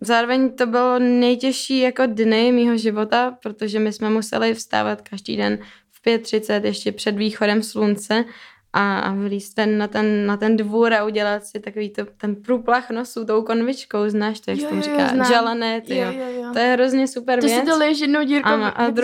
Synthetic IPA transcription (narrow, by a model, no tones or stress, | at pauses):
zaːɾovɛɲt̪o̞bɪlonɛjcɛʃiːjako̞dnɪmiːɦoʒɪvo̞t̪apɾot̪oʒɛmɪsmɛmusɛ̰lɪfst̪a̰ːvat̪kaʒdḭːdɛn | fpjɛt̪̚ːr̝̥ɪt͡sɛt̪jɛʃcɛpr̥ɛdviːxodɛmslunt͡sɛ | ʔaa̰vlist̪t̪ɛnnat̪ɛnːat̪ɛndvuːɾauɟɛlat̪sɪt̪akoviːt̪ot̪ɛnpɾuːplaxnosut̪o̞wko̞nvɪt͡ʃko̞wznaːʃt̪ojakt̪omrɪka̰ːʒɛlɛnɛt̪ɪjot̪ojɛɦɾo̞zɲɛsupɛɾvvjɛt͡st̪olʃjɛdnowiːɾanoʔad̪ɾ